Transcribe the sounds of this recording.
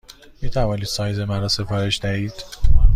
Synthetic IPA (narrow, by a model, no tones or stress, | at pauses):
miːt̪ʰævɒːniːd̪sɒːjze̞mæɾɒːse̞fɒːɾe̞ʃd̪æhiːd̪̥